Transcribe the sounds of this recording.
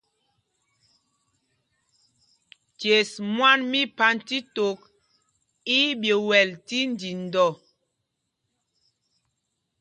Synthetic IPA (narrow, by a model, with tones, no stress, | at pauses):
tje˨smwa˦nmi˦pa˦nti˦to˨˦k̚ | i˦bje˨wɛ˨lti˦n˦di˨n˨dɔ˦˨